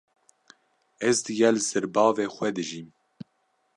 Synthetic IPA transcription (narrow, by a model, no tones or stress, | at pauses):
ɛzd̪ɨɡɛlzɨɾbɑːveːxʷɛd̪ɨʒiːm